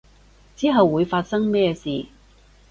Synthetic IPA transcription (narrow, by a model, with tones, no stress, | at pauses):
t͡siː˨˥ɦɐ˨wːuː˨˧jfaː˧t̚sɐ˥ŋmɛː˥siː˨